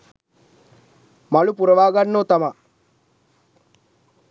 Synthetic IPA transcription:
mɐlupuɾɐʋaːɡɐnːoːt̪ɐmɐ

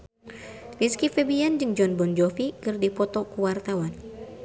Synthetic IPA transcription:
riskifɛbiand͡ʒɨŋd͡ʒɔnbɔnd͡ʒɔfikɨrdipɔt̪ɔkuwart̪awan

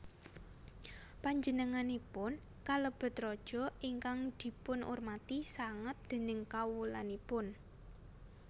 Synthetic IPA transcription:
paɲd͡ʒənəŋanipʊn | kaləb̥ə̤t̪rɔd̥ʒ̥ɔ̤iŋkaŋd̪̥i̤pʊnʔṵrmat̪isaŋət̪̚d̪̥e̤nɪŋkawulanipʊn

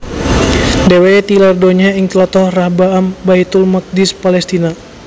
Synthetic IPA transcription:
dewet̪ilardoɲaiŋt̪lɔt̪ɔhrahbaambajt̪ulmak̚dispalɛst̪ina

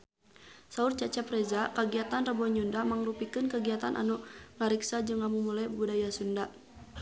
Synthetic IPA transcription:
saurt͡ʃat͡ʃɛpɾɛzakaɡiat̪anrəbɔɲundamaŋɾupikɨnkəɡiat̪anʔa̰nuʔŋaɾiksad͡ʒɨŋamumulajbudajasunda

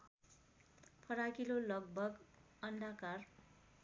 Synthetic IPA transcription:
pʰʌɾakilolʌɡ̚bʱʌɡ | ʌndʱakar

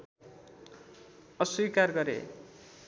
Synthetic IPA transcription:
ʌswikarɡʌɾḛ

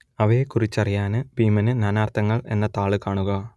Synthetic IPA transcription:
ɐʋekːurit͡ɕːɐrijaːnɨbiːmɐnɨnaːnaːrt̪ʰɐŋːɐɭe̞̰nːɐt̪aːɭɨkaːɳuɣɐ

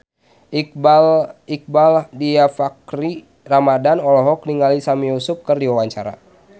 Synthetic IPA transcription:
i | ik̚baldiafakɾi | ramadanɔlɔɦɔk̚niŋalisamijusup̚kɨrdiwawaɲt͡ʃa̰ɾa̰

